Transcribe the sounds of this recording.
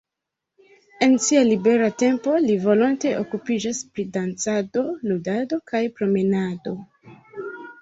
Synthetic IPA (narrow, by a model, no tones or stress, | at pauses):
e̞nsialibe̞ɾate̞mpo̞livo̞lonte̞ʔokupid͡ʒaspɾidant͡sado̞ludado̞kajpɾo̞menado̞